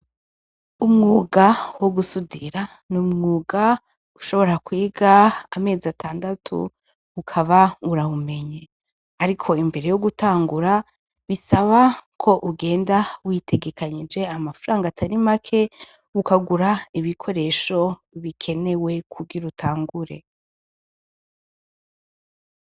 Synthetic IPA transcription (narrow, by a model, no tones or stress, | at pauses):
umŋuːɡawoɡusudiɾa | numŋuːɡa | uʃo̞βo̞ɾakwiːɡaːme̞ːzatʰaːndatʰṵ | ukʰaβauɾaβume̞ɲe | aɾikʰo̞imbe̞ɾe̞joɡutaːŋɡuɾa | βisaβakʰo̞ʔuɡe̞ːndawitʰe̞ɡe̞kʰaɲid͡ʒe̞amafaɾaːŋɡatʰaɾimakʰe̞ | ukaɡuɾaiβikʰo̞ɾe̞ːʃo̞βikʰe̞ne̞we̞kʰuɡiɾutʰaːŋɡuɾe̞̰